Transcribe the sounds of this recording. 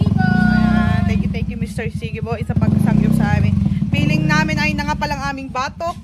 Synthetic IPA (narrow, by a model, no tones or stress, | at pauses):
t̪ɛŋkjʊt̪ɛŋkjʊmɪst̪ɛɹsiːɡɪboʔɪsɐpɐŋɡɐsɐŋjopsɐʔaːmɪnfiːlɪŋnaːmɪnʔɐjnɐŋapɐlɐŋʔaːmɪŋbaːt̪o